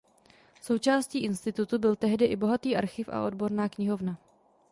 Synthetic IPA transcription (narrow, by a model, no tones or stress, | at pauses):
so̞wt͡ʃaːsciːʔɪnst̪ɪt̪ut̪ubɪlt̪ɛɦdɪʔɪbo̞ɦat̪iːʔaɾxɪfʔa̰ʔo̞dbo̞ɾnaːkɲɪɦo̞vna